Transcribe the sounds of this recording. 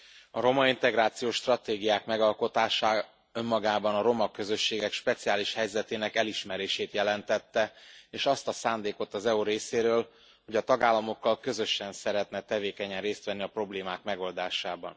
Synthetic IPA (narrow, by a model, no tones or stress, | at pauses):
ɒɾo̞mɒint̪ɛɡɾaːt̪sijoːʃt̪rɒt̪eːɡijaːkmɛɡɒlko̞t̪aːʃaː | ø̞mːɒɡaːbɒnɒɾo̞mɒkø̞zø̞ʃːeːɡɛkʃpɛt̪sijaːliʃhɛjzɛt̪eːnɛkɛliʃmɛɾeːʃeːt̪jɛlɛnt̪ɛt̪ːɛeːʃɒst̪ɒsaːnd̪eːko̞t̪ːɒzɛuɾeːseːɾøːl | ho̞ɟɒt̪ɒɡaːlːɒmo̞kːɒlkø̞zø̞ʃɛnsɛɾɛt̪nɛt̪ɛveːkɛɲɛnreːst̪ʋɛnːiɒpro̞bleːmaːkmɛɡo̞ld̪aːʃaːbɒ̰n